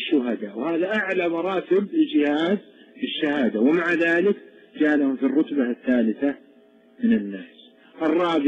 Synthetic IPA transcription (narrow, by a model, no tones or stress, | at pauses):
ʃːʊɦad̪awhaːðaʔaʕlamɑɾˤɑːt̪ɪbld͡ʒɪhaːd̪ɪʃːahaːd̪awɪmaʕaðaːlɪkd͡ʒaːlahʊmfirˤːʊt̪baθːaːlɪθa | mɪnɪnːaːs | ʔɨrˤːɑːbɪ